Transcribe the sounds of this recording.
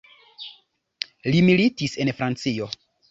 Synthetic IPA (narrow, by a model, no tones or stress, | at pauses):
limilitise̞nfɾant͡sio̞